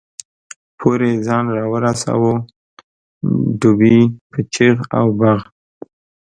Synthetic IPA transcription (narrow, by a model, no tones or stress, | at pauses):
pʰoɾezɑnɾɑwəɾasa̰wo | ɖubipʰət͡ʃiɣa̰wbaɣ